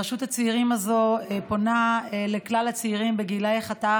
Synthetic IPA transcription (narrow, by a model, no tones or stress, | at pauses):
ʃuthat͡seiʁimazoepo̞naeleklalhat͡siiʁimbeɡilajeχata